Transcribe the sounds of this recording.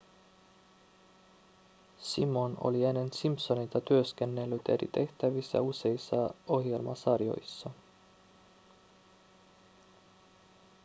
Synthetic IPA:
simo̞no̞̰lienːensimpso̞nit̪ɑt̪yøske̞nːe̞lːyt̪e̞rḭt̪e̞ht̪æʋisːæ̰use̞isːɑo̞hje̞lmɑ̰sɑrjo̞̰jsːɑ

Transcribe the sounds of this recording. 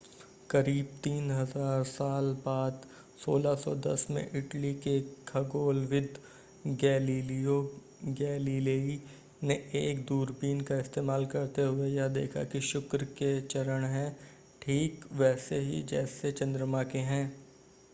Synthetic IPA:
kɐɾiːb̚t̪iːnɦɐzaːɾsaːlbaːd̪ | soːlasɔ̰d̪ɐ̰smḛ̃ʔɪʈlikekʰɐɡoːlʋɪd̪ʱ | ɡɛːliːlio | ɡɛːliːleːi | neʔeːkd̪uːɾbiːnkaɪst̪eːmaːlkɐɾt̪eɦʊejad̪eːkʰa̰kiʃʊkɾket͡ʃɐɾəɽ̃ɦɛ̃ː | ʈʰiːkʋɛːseɦḭd͡ʒɛːset͡ʃɐ̃nd̪ɾəmakeɦɛ̃ː

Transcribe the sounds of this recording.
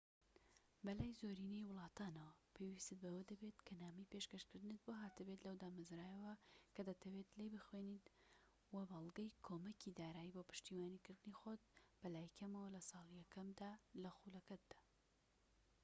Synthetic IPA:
bɐlaːjzoɾiːnejwʊlˠɑːt̪aːnɐwɐpʰewist̪ɨt̪̚bɐwɐd̪ɐbet̪kʰɐnaːmɐjpeʃkɐʃkɨɾd̪ɨnɨt̪̚boɦaːt̪ɨbet̪lɐwd̪aːmɐzɾaːjɐwɐkɐd̪ɐt̪ʰɐwet̪lejbɨxwenit̪ | wɐbɑlˠɡɐjkʰoːmɐkʰid̪aːɾaːjiboːpʰɨ̥ʃt̪iːwaːnikɨɾd̪ɨnixot̪̚b̥ɐlaːjkʰɐmɐwɐlɐsɑːlˠijɐkɐmd̪aːlɐxulɐkɐt̪̚d̪̥aː

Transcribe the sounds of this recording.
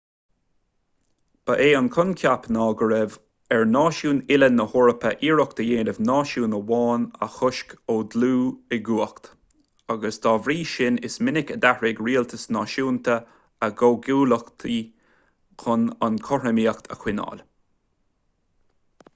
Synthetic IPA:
b̥əʔeːənkʰʊnkʲʰapnɑːɡəɹɛv | ɛɹnɑːʃuːnɪlənːəhɔɹəpʰəʔiːɹɔk̚t̪əjeːnəvnɑːʃuːnəwɑːnə̰xʊʃkoːd̪luːɪɡuːəkt̪ | aɡəsd̪̥ɑːvɾiːʃɪnɪsmɪnɪkəd̪ahɹɪɡɹiːəlt̪ʰəsnɑːʃuːnt̪ə | əɡoːɡuːləkt̪ʰi | kʰʊnankʰɔɹəmiːəkt̪ʰə̰xwɪnɑ̰ːl

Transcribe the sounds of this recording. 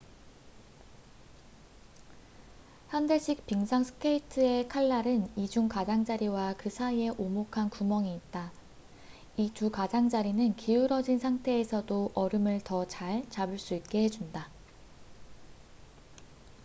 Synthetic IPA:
hjandeɕ͈ʰik̚piŋsʰaŋsʰɯ̥kʰe̞itʰɯe̞kʰaɭːaɾɯnid͡ʑuŋkad͡ʑaŋd͡ʑaɾiwakɯsʰaie̞ʔomokʰankumʌŋiːt̚t͈a | itukad͡ʑaŋd͡ʑaɾinɯnkʰiuɾʌd͡ʑinsʰaŋtʰe̞ːsʰʌdoʔʌɾɯmɯɭtʌt͡ɕaɭt͡ɕabɯɭs͈uit̚k͈e̞ɦed͡ʑunda

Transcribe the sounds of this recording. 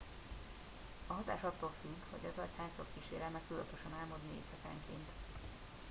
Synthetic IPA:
ɒɦɒt̪a̰ːʃɒt̪ːoːlfyɡho̰ɟɒzɒchaːɲsokːiʃḛːɾɛmɛktylɒ̰t̪oʃɒnaːlmod̪niḛːsɒka̰ːŋkeːnt̪

